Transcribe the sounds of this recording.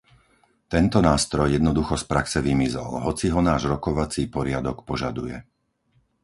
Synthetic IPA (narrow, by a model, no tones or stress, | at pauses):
t̪ɛnt̪ɔnaːst̪ɾɔjːjɛd̪nɔd̪uxɔspɾaksɛʋimizɔ̰lɦɔt͡siɦɔnaːʒɾɔkɔʋat͡siːpɔɾɪad̪ɔkpɔʒad̪ujɛ̰